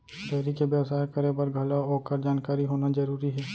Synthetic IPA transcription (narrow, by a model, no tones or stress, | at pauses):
ɖ̪ɛːɾikebjəwsaːjkəɾeːbəɾɡʱɐlaɦoːkəɾd͡ʒaːnkaːɾiɦoːnad͡ʒəɾuːɾiɦɛː